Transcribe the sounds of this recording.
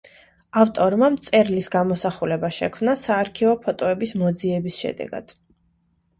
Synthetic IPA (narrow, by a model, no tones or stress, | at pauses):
aft̪ʼɔɾmamt̪sʼɛɾlisɡamɔsaχulɛbaʃɛ̰kʰmnasaːɾkʰivɔpʰɔt̪ʼɔɛbismɔd̪ziɛbisʃɛ̰d̪ɛ̰ɡ̥a̰d̪̥